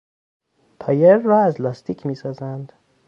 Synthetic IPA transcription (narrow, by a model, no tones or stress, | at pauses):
t̪ʰɒːjeɾːɒːæzlɒːst̪ikʰmiːsɒːzænd̪̥